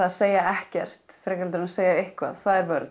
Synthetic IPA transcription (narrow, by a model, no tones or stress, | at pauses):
aððseːjaɛhcɛr̥t̪fɾɛːkalt̪ɾnaðseːjaɪhkva̰ðθaðɛɾvœɾt̪